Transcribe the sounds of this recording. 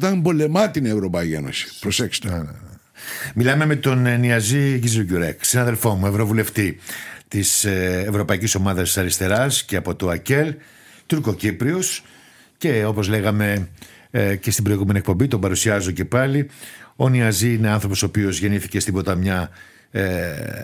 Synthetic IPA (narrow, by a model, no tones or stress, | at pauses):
t̪ɐnmbo̞le̞mɐt̪inevɾopɐiienosi̥pɾoseksi̥t̪ | milɐme̞me̞t̪o̞nniɐziʝizloɟuɾeksinɐðe̞lfo̞mue̞vɾo̞vule̞ft̪it̪isːvɾo̞pɐiciso̞mɐðɐssɐɾist̪e̞ɾɐsce̞ɐpo̞t̪oɐce̞l | t̪uɾko̞cipɾio̞s | ce̞o̞po̞zle̞ɣɐme̞ | ce̞st̪ibɾo̞iɣumeniekpo̞mbit̪o̞bɐɾusiɐzoce̞pɐlio̞niɐziine̞ɐnθɾo̞po̞so̞ːpio̞zʝe̞niθi̥ce̞st̪ibo̞t̪ɐmɲɐ